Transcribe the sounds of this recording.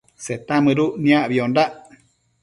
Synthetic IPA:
set̪amɨɾuʔnĩaʔβiondaʔ

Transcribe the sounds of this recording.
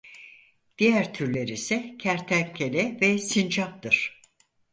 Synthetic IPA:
d̪̥ijæɾt̪ʰyɾlʲe̞ɾisɛcʰæɾt̪ʰæmcʰelʲɛvɛsind͡ʒap̚t̪ɯɾ̥

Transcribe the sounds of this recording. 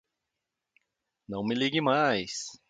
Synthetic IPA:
nɐ̃w̃mɪliɡɪmajs

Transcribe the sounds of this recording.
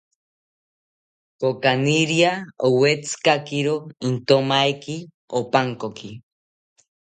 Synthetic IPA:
kokaniɾjaowet͡sɨ̥kakiɾoint̪omaeki | opaŋkoki

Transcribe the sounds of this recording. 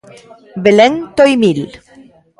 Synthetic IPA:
beleŋt̪ojmil

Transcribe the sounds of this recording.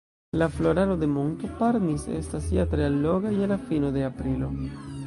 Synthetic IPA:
laflo̞ɾalod̪e̞montopaɾnisḛstasiatɾealːoɡajelafinod̪e̞apɾilo̞̰

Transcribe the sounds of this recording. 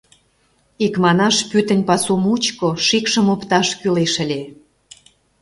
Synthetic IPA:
ikmɑnɑʃpyt̪ə̆nʲpɑsumut͡ɕkoʃikʃə̆mopt̪ɑʃkyleʃə̆lʲe

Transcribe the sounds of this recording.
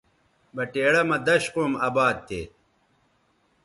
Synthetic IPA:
bɐʈeːɽɐmɐd̪ɐɕqoːmɐːbaːd̪̚t̪ḛː

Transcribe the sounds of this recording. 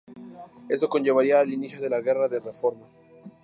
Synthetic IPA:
e̞st̪oko̞nd͡ʒe̞βaɾiaːlinisjoðe̞laɣe̞raðe̞re̞fo̞ɾma

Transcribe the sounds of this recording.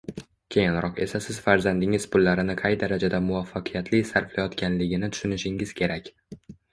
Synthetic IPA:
kʲʰe̞jɪnɾɒqe̞sasɪz̥faɾzand̪ɪŋɪz̥pʊlːaɾɪnɪqʰɑjd̪aɾad͡ʒad̪amʊvafːaqʰɨjat̪ʰlɪsaɾflajɒt̪kʲʰanlɪɡʲɪnɪt̪ʰʊ̥ʃʊnɪʃɪŋɪz̥kʲʰe̞ɾakʲ

